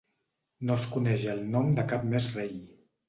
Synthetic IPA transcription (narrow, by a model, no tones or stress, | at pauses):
noskunɛʒəlˠnɔmd̪əkap̚mezrej